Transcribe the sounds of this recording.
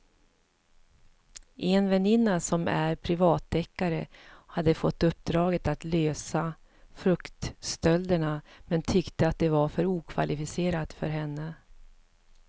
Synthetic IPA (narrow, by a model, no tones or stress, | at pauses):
ʔɛnvɛnɪnːasɔmæ̰ɾpʰɾɪvɑːt̪ʰːɛkːaɾə̰had̪ːəfɔt̪ːɵp̚ːd̪ɾɑːɡət̪at̪løːsa | fɾɵkt̪st̪œld̪əɳamɛnt̪ʰʏkt̪əat̪̚d̪ɛvaɾfœɾuːkʰva̰lʔɪfɪseːɾat̪fœ̰ɾɦɛnːə